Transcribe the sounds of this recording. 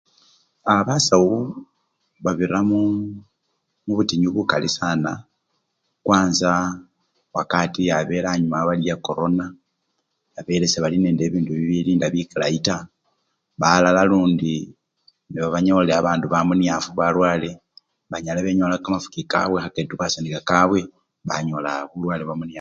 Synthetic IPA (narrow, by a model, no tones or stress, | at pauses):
aβasawu | βaβiramu | muβutiɲuβukalḭsana̰ | kwaːnza | wakatiaβe̞laɲumaβalijako̞ɾo̞na | aβe̞ɾe̞seβalineːnde̞ːβiːnduβiβiliːndaβjikilaita | βalalaluːndi | niβaβaɲoleaβaːnduβamunijafuβalwaːle̞ | βaɲaleβeɲo̞lakamafu̥kika̰βwexaketuβasenikakaβwe̞ | βa̰ɲo̞la̰βulwaːleβamuna